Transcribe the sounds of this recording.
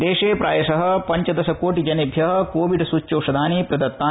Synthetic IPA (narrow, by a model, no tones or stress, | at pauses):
d̪eːʃeːpɾaːjɐʃɐɦɐ̆pɐɲt͡ʃɐd̪ɐʃɐkoːʈid͡ʒɐnɐbʱjɐɦɐ̆koːʋiɖsut͡ʃːɐːʃɐd̪ʱaːniːpɾɐd̪ɐt̪ːaː